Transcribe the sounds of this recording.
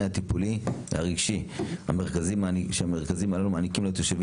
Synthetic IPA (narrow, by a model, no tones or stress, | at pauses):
hat̪ipuliha̰ʁiɡʃiha̰meʁ̞kazimaʃeame̞ʁkazimalalumaːnikimlot̪joʃev